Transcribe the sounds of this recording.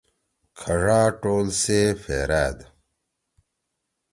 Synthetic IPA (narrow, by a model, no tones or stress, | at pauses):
kʰɐʐaːʈoːlseːfḛːɾæːd̪